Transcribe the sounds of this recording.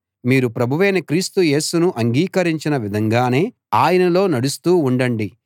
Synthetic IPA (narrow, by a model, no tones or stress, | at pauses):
miːɾupɾɐbʱuʋeːnɐkɾiːst̪uje̞ːsunuʔɐŋɡiːkɐɾiɲt͡ʃinɐʋid̪ʱɐŋɡaːne̞ː | aːjɐnɐlo̞ːnɐɽust̪uːuɳɖɐɳɖi